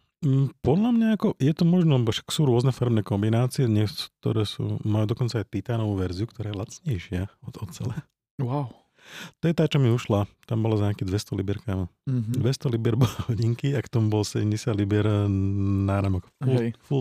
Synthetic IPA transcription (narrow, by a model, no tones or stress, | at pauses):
pɔd̪ʎamɲaːkɔjɛt̪ɔmɔʒnɔlɛbɔʃḁksuːɾʊɔznɛfaɾmnɛkɔmbinaːt͡siɛd̪ɲɛsk̚t̪ɔ̰ɾɛːsṵːmajuːd̪ɔkɔnt͡saːajt̪it̪aːnɔʋuːʋɛɾziukt̪ɔɾaːjɛlat͡sɲɛɪʃɪaɔɔt̪t͡sɛlɛ | waw | t̪ɔjɛt̪aːt͡ʃɔmiuʃlat̪ambɔlazɲakid̪ʋɛst̪ɔlibɛɾkamad̪ʋɛst̪ɔlibɛɾbɔlɛhɔɟiŋkiakt̪ɔmubɔlsɛɟɛmɟɛsɪad̪libjɛɾ | naːɾamɔkfuful